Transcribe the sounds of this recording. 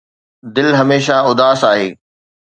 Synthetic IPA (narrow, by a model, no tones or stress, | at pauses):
d̪ɪlɦɐmeːʃaʊd̪aːsaːɦeː